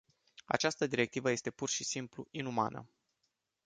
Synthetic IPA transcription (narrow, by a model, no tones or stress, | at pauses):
a̰t͡ʃast̪əd̪iɾe̞k̚t̪ivəje̞st̪e̞purʃisimpluinuma̰nə̰